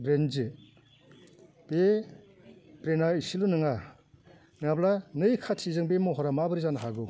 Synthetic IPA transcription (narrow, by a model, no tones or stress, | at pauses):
bɾend͡ʒe | b̥e | bɾenaisilunɯŋa | nablanɯjkʰatʰizɯŋbemɔɦɔɾamabɯɾizanaɦaɡu